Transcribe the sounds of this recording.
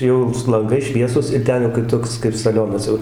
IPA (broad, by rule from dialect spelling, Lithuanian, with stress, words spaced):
ˈjɛʊ sʊ lˠɐŋˈɡɐɪs ˈʃʲʋʲiɛsʊs ɪr ˈtʲɛn jɛʊ kɐɪp ˈtoːks kɐɪp sɐˈlʲoːnɐs jɛʊ